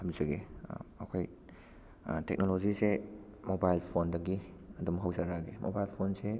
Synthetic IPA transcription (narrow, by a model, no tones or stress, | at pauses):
ɐmizɐɡeɐkʰoj | tḛk̚nolozisemobajlpʰondɐɡiɐdumɦawzaɾaɡemo̰bajlpʰonse